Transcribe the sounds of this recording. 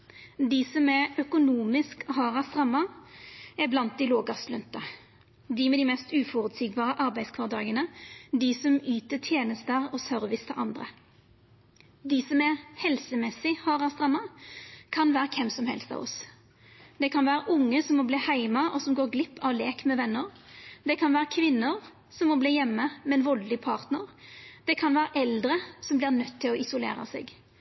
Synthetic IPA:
d̪ɪsɔmæœkʊnuːmɪskɦɑːʁɑst̪ʁɑmːɑ | æblɑnt̪̚d̪ɪloːɡɑslʉnt̪ə | d̪ɪːmɛd̪iːmɛst̪ʉːfɔɾʉt̪siːɡbɑːʁəʔɑɾbæɪd̪skʰʋɑːʁd̪ɑːɡənəd̪iːsɔmyːt̪ət̪ʰjeːnəst̪əʁɔsœɾʋɪst̪ʰəʔɑ̰nd̪ʁə̰ | d̪iːsɔmæɾhɛlsəmɛsɪhɑːʁɑst̪ʁɑmːɑkʰɑnʋæːɾəkʰɛmsɔmhɛ̰lst̪ɑ̰ʋɔ̰s | d̪ɛkʰɑnʋæːɾəʔʊŋːəsɔmːɔbliːhæɪmɑʔɔsɔmɡoːɾɡlɪpʰːɑʋleːkmɛʋɛnːəʁd̪ɛkʰɑnʋæːʁəkʰʋɪnːəɾ | sɔmːɔbliːjɛmːəmɛnʋɔllɪpʰɑːʁt̪nəʁd̪̥ɛkʰɑnʋæːɾəʔɛld̪ɾəsɔmblɪʁnœt̪ʰːɪlɔɪsʊlḛːɾɑ̰sḛːɡ

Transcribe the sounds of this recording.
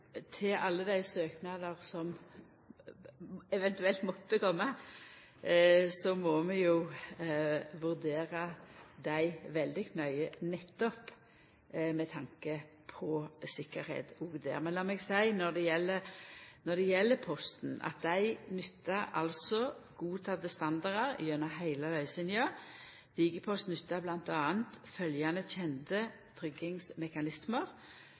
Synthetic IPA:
t̪ʰɪʔɑlːəd̪æɪsøːknɑd̪əʁsɔm | ɛʋɛnt̪ʉɛlt̪mɔt̪ːəkʰɔmːə | sɔmɔmɛju | ʋʉʁd̪eːɾəd̪æɪʋɛld̪ɪkʰnœʏənɛt̪ːɔp | mɛt̪ʰɑŋkə | pʰɔsɪkəɾhḛːd̪ɔɡd̪ḛːɾmɛnlɑːmɛɡsæɪnɔd̪ɛjɛlːənɔd̪ɛjɛlːəpʰɔst̪n̩ʔɑ̰t̪̚d̪æɪnʏt̪ːɑɾɑ̰lsɔɡuːt̪ʰɑːd̪əst̪ɑnd̪ɑʁəʁ̰jœnɑɦæɪləlœʏsɪnjɑ | d̪̥iːɡəpʰɔst̪nʏt̪ːɑblɑnt̪ɑːənt̪fœljɑnəçʰɛnt̪ə | t̪ʰɾʏɡɪŋsmɛkɑnɪsməʁ

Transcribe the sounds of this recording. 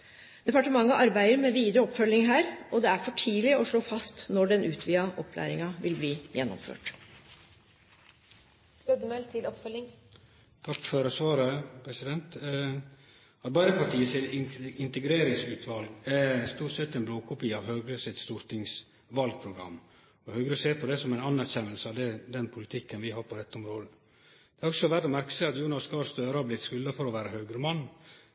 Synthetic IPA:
d̪̥ɛpɑʈəmɑŋːəʔɑɾbæɪəɾmɛʋiːd̪ɾəɔpːfœlːɪŋɦæːɾɔd̪ɛæɾfɔʈʰiːlɪɔʂɭoːfɑst̪nɔɖɛnʔʉːt̪ʰʋiːɑʔɔpʰːlæ̰ːɾɪŋɑʋɪlbliːjɛnːɔ̰mfø̰ːʈ | ød̪mɛlt̪ʰɪlɔpfœlːɪŋ | t̪ʰɑkːfɔɾəsʋɑːɾəpʰɾɛsɪd̪ɛnt̪ | ɑt̪bɑɪɾəpʰɑʈʰiːəsɪt̪ɪɪnt̪əɡɾeːɾɪŋsʉːt̪ʰʋɑlɡæst̪uːʈsɛt̪ːɛɪnbloːkʰʊpɪɑʋɦœːɡɾəsɪt̪st̪uːɾt̪ɪŋs | ʋɑlɡ̚pʰɾʊɡɾɑ̰mː | ɔhœʉɡɾəseːɾpʰɔd̪ɛsɔmæɪnɑnːæɾçɛnːəlsəɑʋd̪ɛd̪ɛnpʰʊlɪt̪ʰɪkːənʋɪɦɑːɾpʰɔɾɛt̪ːɔmɾoːd̪ə | d̪̥ɛæɾɔɡsɔʋæɾɖɔmæɾkə̥sæɪɑt̪juːnɑskɑːɾst̪øːɾəhɑɾblɪt̪skʉlːəfɔɾɔʋæːɾəɦœːɡɾəmɑnː

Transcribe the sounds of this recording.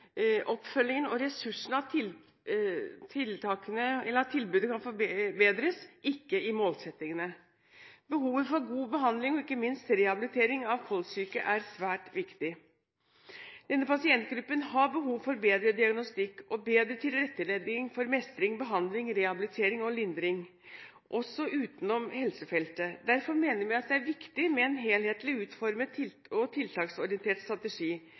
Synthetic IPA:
ʔɔpːfœlːɪŋənɔɾɛsʉʂn̩ɑɪ | t̪ʰɪlt̪ʰɑːkənəɛlːəɾɑt̪ʰɪlbʉːd̪əkʰɑnfɔbeːd̪ɾəsʔɪkːəɪmoːlsɛt̪ːɪŋənə | bəhuːʋəfɔɾɡuːbəɦɑnd̪lɪŋɔɪkːəmɪnst̪ɾɛɑbɪlɪt̪ʰeːɾɪŋɑʋkʰɔlsyːkə̰ʔæɾsʋæːʈʋɪkt̪ɪ | d̪̥ɛnːəpɑsɪɛnt̪̚ɡɾʉpːənhɑbəɦuːʋfɔɾbeːd̪ɾəd̪ɪɑɡnɔst̪ɪkːɔbeːd̪ɾət̪ʰɪlɾɛt̪ːəleːd̪ɪŋfɔɾmɛst̪ɾɪŋbəɦɑnd̪lɪŋɾɛhɑbɪlɪt̪ʰeːɾɪŋɔlɪnd̪ɾɪŋ | ʔɔsːɔʔʉːt̪nɔmhɛlsəfɛlt̪əd̪æɾfɔɾmeːnəɾmæɪɑt̪̚d̪ɛæɾʋɪkt̪ɪmɛɛnɦeːlheːt̪lɪʉːt̪fɔɾmət̪ʰɪ | ɔt̪ʰɪlt̪ʰɑːksɔɾɪɛnt̪ʰeːʈst̪ɾɑt̪əʂiː

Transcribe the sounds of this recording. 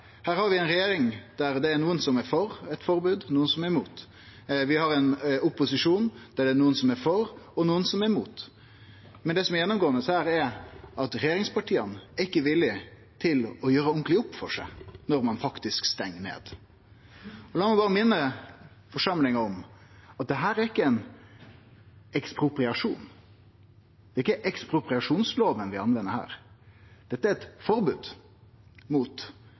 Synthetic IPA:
hæːɾhɑɾʋɪɛɪnɾɛjeːɾɪŋd̪̥æɾd̪ɛːɾnuːənsɔmɛɾfɔɾɛt̪fɔɾbʉːd̪nuːənsɔmɛɾmuːt̪ | ʋɪhɑɾɛnʊpːʊsɪʂuːnd̪̥æɖɛːnuːənsɔmɛɾfɔɾɔnuːənsɔmɛɾmuːt̪ | mɛnd̪ɛːsɔmɛɾjɛnːɔmɡoːənəshæːɾɛɾʔɑt̪ɾɛjeːɾɪŋspʰɑʈʰiːənɛɾɪkːəʋɪlːɪ | t̪ʰɪlɔjøːɾəʊŋklɪʊpːfɔʂæ̰ɪnɔɾmɑnfɑkt̪ɪskst̪ɛŋːnḛːd̪̥ | ɔlɑːmɛbɑːʁəmɪnːə | fɔʂɑmlɪŋəɔmɑt̪̚d̪ɛɦæːɾæɾɪkːəɛɪn | ɛkspɾʊpɾɪɑʂṵːn | d̪ɛɪkːəʔɛkspɾʊpɾɪɑʂuːnsloːʋənʋɪɑnʋɛnːəɾhæ̰ːɾd̪̥ɛt̪ːəæɾɛt̪fɔɾbʉːd̪ | muːt̪

